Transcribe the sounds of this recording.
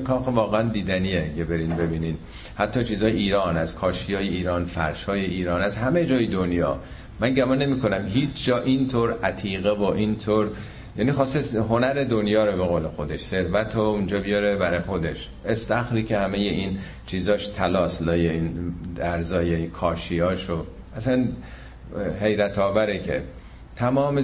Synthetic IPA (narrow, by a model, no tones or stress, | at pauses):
kʰɒːxevɒːɣeænd̪iːd̪æniːekebe̞ɾinbe̞biːniːd̪ | hæt̪ʰːɒːt͡ʃʰiːzɒːjeʔiːɾɒːnæzkʰɒːʃijɒːjeiːɾɒːnfæ̰ɾʃhɒːjeiːɾɒːnæzɦæmed͡ʒɒːjed̪onjɒ̰ː | mænɟæmɒːnːe̞miːkʰo̞næmɦiːt͡ʃʰd͡ʒɒːʔint̪ʰoːɾæt̪ʰiːɣevoʔint̪ʰoːɾ | jæːniːxɒːst̪eɦo̞næɾe̞d̪o̞njɒːɾobeɣoːlexo̞d̪e̞ʃse̞ɾvæt̪ʰound͡ʒɒːbijɒɾebæɾɒjxo̞d̪e̞ʃ | ʔest̪æxɾiːcʰehæme̞jeʔiːn | t͡ʃʰiːzɒːʃt̪ʰælɒːslɒːjeiːnæɾzɒːjeikʰɒːʃiɒːʃo | ʔæsæn | he̞jɾæt̪ʰɒːvæɾecʰḛ | t̪ʰæmɒːme